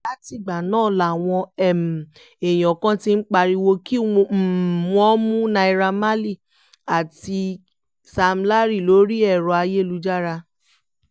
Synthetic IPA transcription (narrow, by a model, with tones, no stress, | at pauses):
la˦ti˧˨ɡ͡ba˨nãː˦˨la˨w̃ɔ̃˧ɛ˨m˨ | e˨j̃ɔ̃˨kã˦ti˧n̩˦k͡pa˧ɾi˧wo˧ki˦˧˨wɔ̃˦mũ˦nã˧i˧ɾa˧ma˦li˦˨ | a˨ti˧ | sa˧m˦la˦ɾi˦˨lo˨˦ɾi˦ɛ˦˨ɾɔ˨a˧je˦˨lu˧d͡ʒa˦ɾa˧